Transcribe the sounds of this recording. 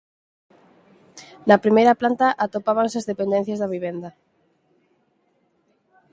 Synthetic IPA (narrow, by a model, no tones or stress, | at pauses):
nɐpɾimejɾɐplant̪aʔat̪opaβaŋseazðepend̪ɛ̃n̟θjɐzðɐβiβend̪ɐ